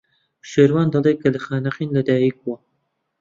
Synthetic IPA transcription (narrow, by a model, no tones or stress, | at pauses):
ʃeːɾwaːnd̪ɑlˠeːkʰɐlɐxaːnqiːnlɐd̪aːjik̚wɐ